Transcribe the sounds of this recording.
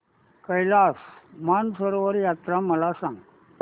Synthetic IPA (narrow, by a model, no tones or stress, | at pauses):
kəjlaːsmansəɾoʋəɾjaːt̪ɾamɐlasaŋ